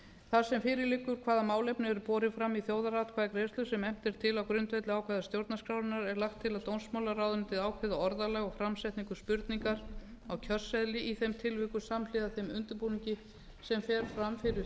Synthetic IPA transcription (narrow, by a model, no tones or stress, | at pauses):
θḁsɛmfɪːɾɪɾlɪːkːʏɾ̥kʰv̥aːðamaːwlɛjpnɪɛɾʏpɔːɾɪfɾamːiθjowðarat̪kʰvaːðakɾejst̪ʏsɛmɛm̥t̪ɪɾ̥t̪ʰɪlawkɾʏnt̪vejt̪lɪaːwkʰvɛðast̪jowɾt̪naskɾawɾɪnaɾɛɾlaxt̪ʰːɪlaðt̪ownsmaːwlaɾaːwðʏnt̪ʰɪðaːwkʰvɛðaɔɾðalɛɣɔfɾamsɛjt̪niŋkʏspʏɾt̪niŋkaɾawcʰœr̥sɛðlɪʔiθejmt̪ʰɪlvɪːkʏ̥samlɪðaθejmʏnt̪ʏɾpuniɲcɪ | sɛmfɛɾ̥fɾamfɪɾɪ